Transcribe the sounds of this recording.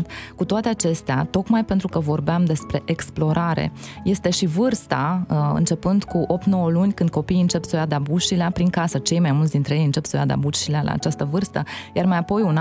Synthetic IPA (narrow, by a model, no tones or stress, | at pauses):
t̪kut̪oat̪e̞at͡ʃe̞st̪eat̪o̞kmajpe̞nt̪ɾukəvo̞rbeamd̪e̞spɾe̞ʔeksplo̞ɾaɾe̞̰je̞st̪e̞ʃivɨrst̪aɨ̰nt͡ʃe̞pɨnd̪kuʔo̞p̚t̪no̞wəlunʲkɨnd̪̚ko̞piːɨnt͡ʃe̞psojad̪abuʃileapɾiŋkasət͡ʃe̞jmajmult̪sd̪int̪ɾejejɨnt͡ʃe̞psoja̰d̪a̰buʃilealʔa̰ːt͡ʃast̪əvɨrst̪əjarmajapo̞jun